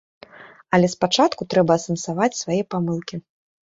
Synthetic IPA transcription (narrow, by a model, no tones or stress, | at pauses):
ɐlʲɛspat͡ʂat̪kut̪ɾɛbɐːsɐnsavat͡sʲsvajɛpamɨlˠkʲi